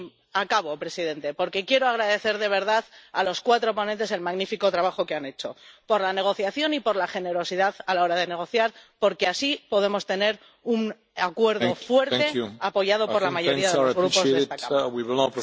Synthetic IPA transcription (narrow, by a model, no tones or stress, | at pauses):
akaβo̞pɾe̞siðe̞nt̪e̞po̞ɾke̞kje̞ɾoaɣ̞ɾaðe̞θe̞ɾðe̞βe̞ɾð̞aðaloskwat̪ɾo̞po̞nẽnt̪e̞se̞lmaɣnifiko̞t̪ɾaβ̞axo̞ke̞ane̞t͡ʃo̞po̞ɾlane̞ɣ̞o̞θjaθjo̞nipo̞ɾlaxe̞ne̞ɾo̞siðaðalao̞ɾaðe̞ne̞ɣ̞o̞θjaɾpo̞ɾke̞asipo̞ðe̞mo̞st̪e̞ne̞ɾ | un | akwe̞ɾðofwe̞ɾt̪eapo̞ʝað̞o̞po̞ɾlamaʝooɾiaððɣɾupozest̪awiwlp